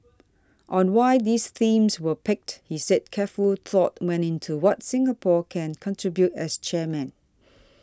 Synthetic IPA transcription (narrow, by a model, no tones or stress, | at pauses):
ʔɔ̃nwaɪd̪isθĩmswəpɪk̚thisɛd̚kʰɛfult̪ʰɔtwɛ̃nɪ̃ntʰuwɔtsɪ̃ŋəpʰɔkʰɛ̃nkʰɔ̃ntʰɹ̥ibjutɛst͡ʃɛmɛ̃n